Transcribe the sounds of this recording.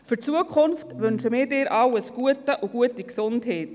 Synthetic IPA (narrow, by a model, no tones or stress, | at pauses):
fʏt͡suəkʰχʊnftʋʏnʃəmɪːɾdɪːɾʔɑwəsɡ̥uətəʔuɡ̥uətiksʊntheːt